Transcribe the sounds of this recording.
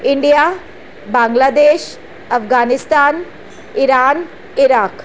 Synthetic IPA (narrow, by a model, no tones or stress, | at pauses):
ɪɳɖijaː | bãːŋɡlaːd̪eːʃ | ɐfɡaːnɪst̪aːn | ɪɾaːn | ɪɾaːk